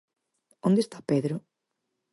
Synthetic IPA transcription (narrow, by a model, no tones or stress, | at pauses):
õnd̪est̪apeðɾʊ